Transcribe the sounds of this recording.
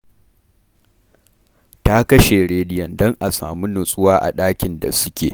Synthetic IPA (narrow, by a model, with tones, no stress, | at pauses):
ta˦kɐ˦ʃe˨ɽeː˦dɪ˦jɐ˨ndɔ˦ŋʔa˨sa̰ː˨mu˦nʊ˨sʼʊ˦waː˦ʔa̰˨ɗaː˦kʲɪ˨nda̰˨sʊ˦kʲḛː˨